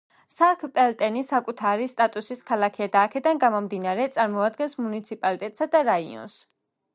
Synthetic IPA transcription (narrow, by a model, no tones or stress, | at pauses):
sakʰpʼɛlt̪ʼɛnisakʼut̪ʰaɾist̪ʼat̪ʼusiskʰalˠakʰɛad̪aːkʰɛd̪anɡamɔmd̪inaɾɛt̪sʼaɾmɔad̪ɡɛnsmunit̪sʰipʼalit̪ʼɛt̪ʼsad̪aɾaiɔ̰ns